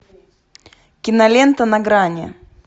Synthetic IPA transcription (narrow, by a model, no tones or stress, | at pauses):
kʲɪnɐlʲent̪ənɐɡɾanʲɪ̰